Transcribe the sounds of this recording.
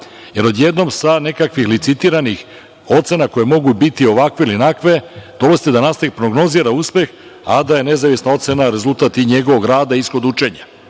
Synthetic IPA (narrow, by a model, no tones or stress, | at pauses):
je̞ɾo̞d̪je̞d̪no̞msane̞kakʋixlit̪sit̪iɾanix | o̞t̪se̞nakojemo̞ɡubit̪io̞ʋakʋe̞ilinakʋe̞d̪̥o̞losit̪ed̪anast̪aʋipɾo̞ɡno̞ziɾauspe̞x | a̰d̪ajene̞zaʋisnao̞t̪se̞naɾe̞zulˠt̪aːt̪iɲe̞ɡo̞ʋo̞ɡɾaːd̪aisxo̞d̪ut͡ʃe̞ɲa